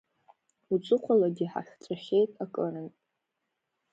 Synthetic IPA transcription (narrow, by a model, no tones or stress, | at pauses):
ut͡sʷʼɨqʷʰalaɡʲiħa̰χʲt͡sʷʼaχʲejtʼakʼɨnɨntʼ